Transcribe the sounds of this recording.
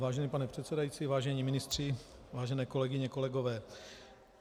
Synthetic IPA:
vaːʒɛniːpanɛpr̝̥ɛt̪sɛdajiːt͡siːvaːʒɛɲiːmɪnɪst̪r̝̥ɪvaːʒɛnɛːko̞lɛɡɪɲɛko̞lɛɡovɛː

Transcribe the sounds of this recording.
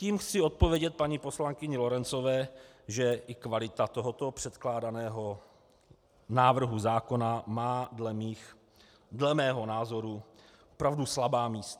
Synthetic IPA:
ciːmxt͡sɪo̞t̪̚povjɛɟɛt̪̚paɲiːpo̞slaŋkɪɲɛlo̞ɾɛnt͡so̞vɛː | ʒɛʔɪkvalɪt̪at̪o̞ɦot̪o̞pr̝̥ɛt̪klaːdanɛːɦo̞ | naːvr̩ɦuzaːko̞namaːdɛmix | dlɛmɛːɦo̞naːzo̞ɾu | opɾavduslabaːmiːst̪a

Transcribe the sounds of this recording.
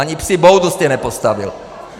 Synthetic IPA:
aɲipsibɔʊd̪ust̪ɛnɛpɔst̪aʋḭl

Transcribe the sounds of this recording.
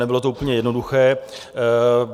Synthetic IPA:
nɛbɪlo̞t̪ouːpl̩ɲɛjɛdnoduxɛː

